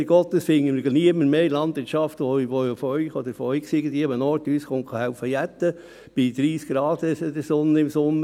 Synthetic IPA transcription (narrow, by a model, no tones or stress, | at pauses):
ɾɡɔt̪ːəsfɪŋːəmɪɾɡɑniəmːəɾmeːlɑnd̥̪ʋɪɾtt͡ʃɑft̪ʋɔiʋojofœʏχɔd̪əɾfɔœʏksiɡən̩d̪ʋiəmənɔɾtyːsχoŋkχɑhæʊfəjæt̪ːə | b̥ɪd̥̪ɾiːskɡɾɑːd̪əsəd̪əsʊnːəɪmsʊnːə